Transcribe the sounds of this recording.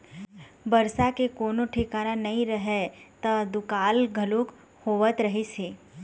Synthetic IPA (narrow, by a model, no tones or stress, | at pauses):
bɐɾsakekoːnoʈʰɪkaːɾanɐɦĩɾɐɦet̪ɐd̪ʊkaːlɡʱɐluk | hoːʋət̪ɾɐɦiseː